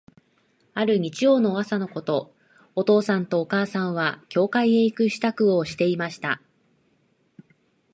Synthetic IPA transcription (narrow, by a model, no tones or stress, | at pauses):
aɾɯ̟ɲ̟it͡ɕijo̞ːno̞ːβasano̞ko̞t̪o̞ː | ot̪o̞ːsãnt̪o̞ːkaːsãɰ̃β̞akʲo̞ːkaieikɯ̟ɕi̥t̪akɯ̟o̞ɕi̥t̪e̞imaɕi̥t̪a